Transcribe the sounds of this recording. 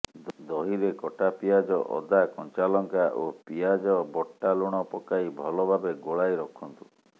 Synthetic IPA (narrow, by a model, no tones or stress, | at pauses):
d̪ɔɦiɾekɔʈapijad͡ʒɔʔɔ̰d̪akɔnt͡ʃalɔŋkaʔopijad͡ʒɔbɔʈːaluɽ̃ɔpɔkaibʱɔlɔbʱabeɡoɭajɾɔkʰɔnt̪u